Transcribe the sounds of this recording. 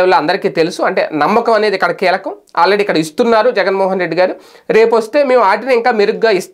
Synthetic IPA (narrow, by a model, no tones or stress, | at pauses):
ɐloːɐnd̪ɐɾikiːt̪e̞lusuɐɳʈe̞̰ːnɐmːɐkɐmɐne̞ːd̪ikːɐɽɐkiːlɐkɐma̰ːlɾeːɖiːkːɐɽɐist̪unːaːɾud͡ʒɛɡɐnmɔːɦɐnɾe̞ɖːiɡaːɾu | ɾe̞ːp̬uʋɐst̪e̞ːme̞ːmuaːʈiniŋkaːmeɾuɡɡaːist̪